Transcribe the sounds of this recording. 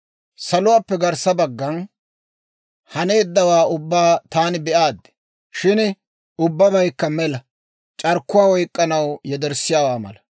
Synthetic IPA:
sɐlʊwaːpːɛɡɐɾsɐbɐɡːɐn | hɐne̞ːd̪ːɐwaːʊbːaːt̪aːnɪbɛʔaːd̪ːɛ̥ | ʃɪn | ʊbːɐbɐjkːɐmɛlɐ | t͡ʃʼɐɾkːʊwaːwɔjkʼːɐnɐwjɛd̪ɛɾsːɪjaːwaːmɐ̰lɐ

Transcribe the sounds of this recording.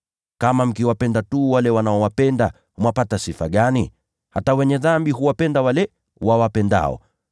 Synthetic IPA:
kamam̩kiwapɛndatuwalɛwanaɔwapɛnda | humwapatasifa̰ɠani | hatawɛɲɛðambiɦuwapɛndawalɛ | wawapɛnda̰ɔ̰

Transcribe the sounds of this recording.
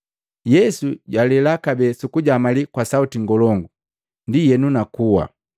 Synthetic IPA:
jɛsuɟwalɛlakabɛsukuɟamalikwasautiŋɡɔlɔŋɡu | ndijɛnunakuwa̰

